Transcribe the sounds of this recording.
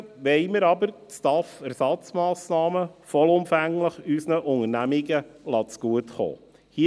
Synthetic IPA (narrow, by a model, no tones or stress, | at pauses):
ʋɛɪməɾɑbəɾtt͡stɑfɛɾsɑt͡smɑːsnɑːməfɔlʊmfæŋləχysnəʔʊŋənæmiɡəlɑt͡sɡ̥uətχo̰ː | hi